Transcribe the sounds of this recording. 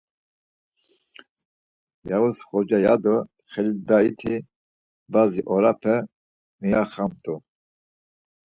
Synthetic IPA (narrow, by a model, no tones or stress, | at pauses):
jausχɔd͡ʒajad̪ɔ | χɛlid̪ait̪ʰi | baziʔɔɾapʰɛ | miaχamt̪ʼu